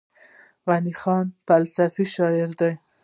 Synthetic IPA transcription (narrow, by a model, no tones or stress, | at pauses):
wanixɑnpalsafiʃɑjɪɾd̪ɑj